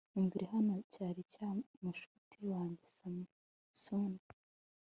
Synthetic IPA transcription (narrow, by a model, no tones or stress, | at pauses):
imɡiɾiɦano̞caːɾicamuʃu̥tʰiwaːɲɟisam | suna